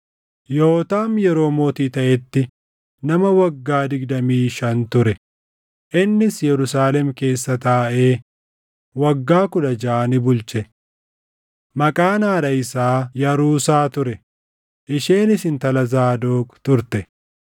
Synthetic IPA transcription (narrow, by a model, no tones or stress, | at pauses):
joːt̪aːmjɛɾo̞ːmo̞ːt̪iːt̪ɐʔɛt̪ːɪ | nɐmɐwɐɡːaːd̪ɪɡd̪ɐmiːʃɐnt̪ʊɾɛ | ʔɪnːɪsjɛɾʊsaːlɛmke̞ːsːɐt̪aːʔe̞ː | wɐɡːaːkʊᶑɐd͡ʒaːnɪbʊlt͡ʃɛ | mɐkʼaːnaːᶑɐɪsaːjɐɾuːsaːt̪ʊɾɛ | ʔɪʃeːnɪsɪnt̪ɐlɐzaːd̪oːkt̪ʊɾt̪ɛ